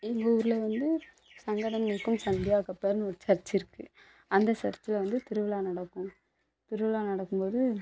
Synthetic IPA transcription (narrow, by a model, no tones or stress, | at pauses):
ɪŋɡɐuːɾɯlɛʋɐnd̪ɯ | sɐŋɡɐɽɐŋɡɐɭɯkːɯmsɐnd̪ɪjaːkɐpːeːɾnɔɾɯt͡ʃɐɾt͡ʃːɪɾɯkːɯ | ɐnd̪ɐt͡ʃɐɾt͡ʃːɪlɐʋɐnd̪ɯt̪ɪɾɯʋɪlaːnɐɽɐkːʊ̃ | t̪ɪɾɯʋɪlaːnɐɽɐkːɯmpoːðɯ